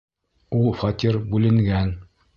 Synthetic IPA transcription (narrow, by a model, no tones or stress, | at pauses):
ulˠfɒt̪ʲiɾbʉlɘ̆ŋɡæn